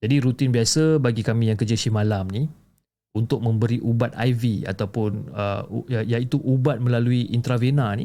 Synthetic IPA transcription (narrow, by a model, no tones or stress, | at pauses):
d͡ʒadiɾut̪ɪnbiasəbaɡikamĩjaŋkəd͡ʒəsimãlamni | unt̪ʊk̚mə̃mbəɾiʔubat̪̚a̰jvia̰t̪awpʊnə̰jait̪uʔubat̪̚mə̃laluiʔint̪ɾavenani